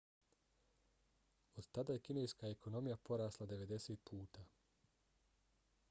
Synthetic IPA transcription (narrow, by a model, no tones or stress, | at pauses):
od̪t̪ad̪aːje̞kinejskaeko̞no̞mijapo̞ɾaːslˠad̪e̞ʋe̞d̪e̞set̪̚pʰuːt̪aː